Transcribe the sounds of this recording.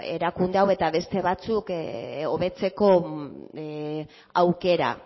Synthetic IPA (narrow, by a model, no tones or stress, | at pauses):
e̞̰ɾakund̪eawe̞t̪aβe̞st̪e̞βat͡suko̞βe̞t͡se̞ko̞ | awke̞ɾa̰